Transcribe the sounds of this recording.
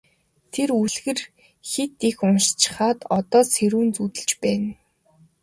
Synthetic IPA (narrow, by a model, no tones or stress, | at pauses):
t̪ʰeruɮɣɘ̆r | xet̪ixʊnʃt͡ɕɪ̥̆χaːt̪ɔt̪ɔːseɾuːnt͡sut̪ɘ̆ɮt͡ɕpæːn